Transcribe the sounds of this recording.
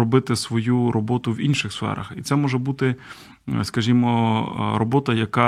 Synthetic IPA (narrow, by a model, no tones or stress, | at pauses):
ɔbɪt̪ɪsʋɔjuɾʔɔbɔt̪ʊwinʲʃɪxsfɛ̰ɾɐ̰xit̪sɛmɔʒɛbut̪ɪ | skɐʒʲimɔɾɔbɔt̪ɐjɐkɑ